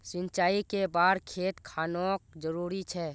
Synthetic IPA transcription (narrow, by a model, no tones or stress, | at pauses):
sɪ̃nt͡ʃaːikebaːd̪kʰeːt̪kʰaːnokd͡ʒəɾuːɾit͡ʃʰɛː